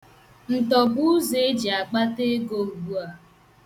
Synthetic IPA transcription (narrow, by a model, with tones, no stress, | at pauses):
n̩˨tɔ˨bu˦ʊ˦ze˨e˦d͡ʒi˨a˨k͡pa˦te˦ɡo˨u˨ɡ͡bu˦a˨